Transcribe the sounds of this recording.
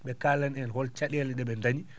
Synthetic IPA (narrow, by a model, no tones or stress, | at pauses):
ɓɛkalanɛnhɔlt͡ʃaɗɛlɛɗɛɓɛndaɲi